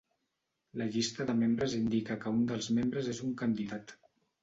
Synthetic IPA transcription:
ləʎist̪əðəmembɾəzind̪ikəkəund̪əlˠzmembɾəzezuŋkənd̪iðat̪

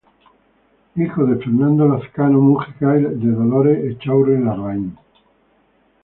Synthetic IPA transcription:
ixoðefeɾnãnd̪olaθkanomusikajld̪eðoloɾeʔːt͡ʃawɾelarain

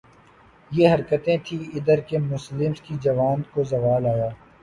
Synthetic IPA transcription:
jeɦɐɾkət̪ẽt̪ʰiɪd̪əɾkemʊslɪmskid͡ʒɐʋaːnkozɐʋaːlaːjaː

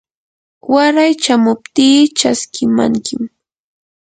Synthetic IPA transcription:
waɾajt͡ʃamʊp̚t̪iːt͡ʃaskɪma̰ŋkɪm

